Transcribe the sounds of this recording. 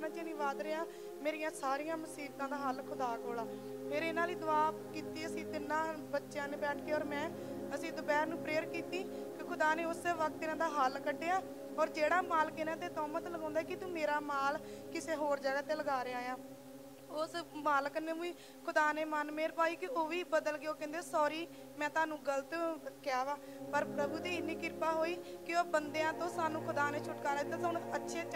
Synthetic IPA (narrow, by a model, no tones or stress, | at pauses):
nãːt͡ʃeːnĩːʋaːd̪ɾeːãː | meːɾijãːsaːɾijãːməsiːb̚t̪ãːd̪aːɦəlkʰʊd̪aːkoːlaː | pʰɪɾɪnãːliːd̪ʊʋaːkiːt̪iːəsĩːt̪ɪnːãːbətːʃjãːnẽːbɛːʈʰkeːɔːɾmɛ̃ː | əsĩːd̪ʊbɛːɾnũːpɾeːəɾkiːt̪iː | kkʰʊd̪aːneːʊsʋək̚t̪ːɪnãːd̪aːɦalkəɖːeːãː | ɔːɾd͡ʒeːɽaːmaːlkɪnãːt̪eːt̪ɔːmət̪ləɡãːnd̪aːɛːkɪt̪ũːmeːɾaːmaːlkɪseːɦoːɾd͡ʒaːɡaːt̪eːləɡaːɾeːaːjãː | ʊsmaːlkəneːmũĩː | kʰʊd̪aːneːmənmeːɾpaːiːkɪoːʋiːbəd̪əlkeːoːkɛ̃ːnd̪eːsɔːɾiː | mɛ̃ːt̪ʊaːnũːɡəlt̪kɪjaːʋaː | pəɾpɾəbuːd̪iːɪnːiːkɪɾpaːɦoːiːkɪobənd̪eːãːt̪õːsaːnũːkʰʊd̪aːneːt͡ʃʰʊʈkaːɾaːd̪ɪt̪ːaːsnãətːʃʰeː